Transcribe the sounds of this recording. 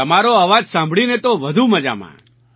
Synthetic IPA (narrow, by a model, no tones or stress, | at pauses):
əmaɾoaʋad͡ʒsãmbʱɭinet̪oʋəd̪ʱuməd͡ʒa̰mã̰